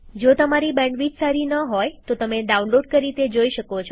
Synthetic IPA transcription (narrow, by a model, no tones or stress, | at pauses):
d͡ʒot̪əmaɾibɛ̃ɳɖʋid͡ʒsaɾinəɦojt̪ot̪əmeɖaunloɖ̚kəɾit̪ed͡ʒoiʃəkot͡ʃʰo